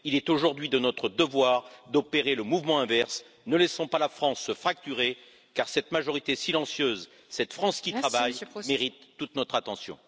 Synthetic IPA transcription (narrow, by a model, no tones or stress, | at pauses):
ilɛt̪oʒuʁd̪ɥid̪ənɔt̪χəd̪əvwaʁd̪ɔpeʁeləmuvmɑ̃ɛ̃vɛʁs | nəlɛsɔ̃palafχɑ̃sːəfχak̚t̪yʁe | kaʁsɛt̪maʒɔʁit̪esilɑ̃sjøz | sɛt̪fχɑ̃skʲit̪χavajmeʁit̪ːut̪nɔt̪χat̪ɑ̃sjɔ̰̃